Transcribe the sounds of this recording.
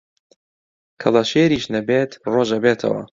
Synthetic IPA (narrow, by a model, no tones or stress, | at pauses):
kʰɐlˠɐʃeːɾiːʃnɐbeːt̪roːʒɐbeːt̪ʰɐ̰wɐ̰